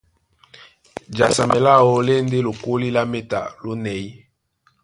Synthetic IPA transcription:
d͡ʒa˨sa˨mɛ˨la˦˨wo˦le˦nde˦lo˨ko˦li˦la˦me˦ta̰˨lo˦nɛ˨i˦

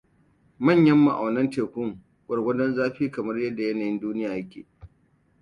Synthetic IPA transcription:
mɐ˦˨ɲjɐ˦mːa˨ʔa̰˨nɐ˦nteː˨kʷʊ˦ŋ | kʷʼɐ˨ɽɡʷɐ˦dɐ˦nzaː˦ɸiː˦kɐ˨mɐ˦rjɐ˦dːa˨jɐ˦naː˨jɪ˦nduː˦nɪ˦jaː˨jɐ˦kʲḛː˨

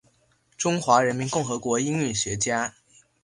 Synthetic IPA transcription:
ʈ͡ʂʊ˥ŋxwa˧˥ɻə˧˥nmi˧˥nkʊ˥˩ŋxɤ˧˥kwɔ˧˥i˥ŋy˥˩ɕɥɛ˧˥t͡ɕja˥

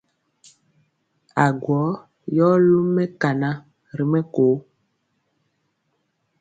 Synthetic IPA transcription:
a˨ɡwɔ˨˦ | jɔ˦lu˦mɛ˦ka˨na˦ | ɾi˨mɛ˦koː˨˦

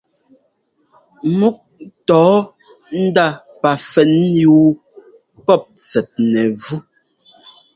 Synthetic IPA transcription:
mu˦k̚tɔː˨˦ | n̩˦da˦˨ | pa˨fɛ˨njuː˦ | pɔ˦˨p̚t͡sɛ˨t̚nɛ˨vu˦

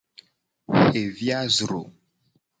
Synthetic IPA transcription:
xe˨vja˦zɾo˨

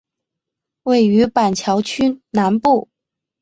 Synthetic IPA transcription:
we˥˩ɪy˧˥pa˨˩nt͡ɕʰjɑ˧˥ʊt͡ɕʰy˥na˧˥npu˥˩

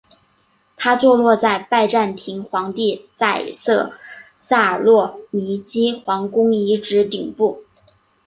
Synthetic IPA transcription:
t̪ʰa˥t͡swɔ˥˧lwɔ˥˧t͡sa˥˧ɪpa˥˧ɪʈ͡ʂa˥˩nt̪ʰi˧˥ŋxwɑ˧˥ŋt̪i˥˧t͡sa˥˩ɪsɤ˥˧ | sa˥˩ə˨˩lwɔ˥˩ni˧˥t͡ɕi˥xwɑ˧˥ŋkʊ˥ŋi˧˥ʈ͡ʂɻ̩˧˥t̪i˨˩ŋpu˥˩

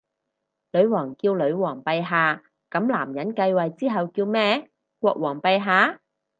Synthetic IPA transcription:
lɵ˨˧ɥwɔː˨˩ŋkiː˧wlɵ˨˧˥ɥwɔː˨˩ŋpɐ˧jɦaː˧ | kɐ˨˥mlaː˨˩mjɐ˨˥nkɐ˧jwɐ˨jt͡siː˥ɦɐ˨wkiː˧wmɛː˥ | kʷɔː˧k̚wɔː˨˩ŋpɐ˧jɦaː˨˥

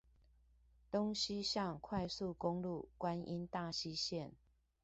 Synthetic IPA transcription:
t̪o˦ŋɕi˦ɕjɑ˥˨ŋkʰwa˥˧ɪsu˥˨kʊ˦ŋlu˥˨kwa˦nʔi˦˥nt̪a˥˨ɕi˦ɕjɛ˥˨n

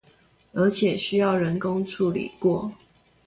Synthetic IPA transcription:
ə˧˥t͡ɕʰjɛ˨˩ɕy˥jɑ˥˩ʊɻə˧˥nkʊ˦ŋt͡sʰu˥˩lḭ˨˩kwɔ˥˩

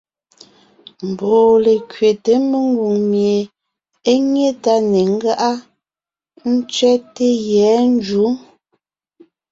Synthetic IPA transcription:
m̩˨bɔː˨le˨kɥe˨te˨˦me˨ŋ˦ɡu˨ŋmje˨ | e˦ɲje˦ta˦ne˨ŋ̩˦ɡa˦ʔa˦ | n̩˦t͡ʃɥɛ˦te˦jɛ˨˦n̩˦d͡ʒu˨˦

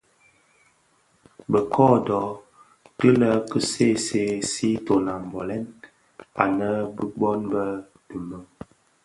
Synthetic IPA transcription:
bə˨kʰɔ˦dɔ˨˦ | tə˦lə˦kə˦se˦˨se˦si˦to˨na˨m˨bɔ˨lɛ˦n | a̰˨nə˦bə˦bɔ˦nbə˦ | du˨mə˦m

